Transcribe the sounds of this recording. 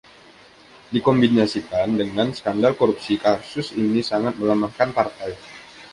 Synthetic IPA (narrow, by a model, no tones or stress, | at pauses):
dikɔmbinasikandəŋansə̥kandalkoɾup̚sikasʊsinisaŋat̪̚məlamahkanpart̪aj